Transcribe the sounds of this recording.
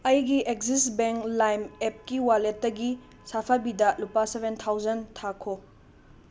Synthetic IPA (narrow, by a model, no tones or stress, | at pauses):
ɐjɡiʔek̚zisbeŋklajmep̚kiwaletːɐɡi | sapʰabidɐlupasebʱent̪ʰawzɐntʰakʰo